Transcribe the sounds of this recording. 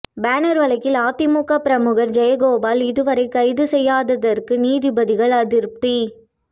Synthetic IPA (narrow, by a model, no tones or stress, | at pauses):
baːnɐɾʋɐlɐkːɪlaːt̪ɪmuːkɐpɪɾɐmɯɣɐɾd͡ʒɛjɐɡoːbaːlɪðɯʋɐɾɐɪkɐɪðɯsɛjːaːðɐðɐrkɯniːðɪbɐðɪɣɐɭɐðɪɾp̚t̪i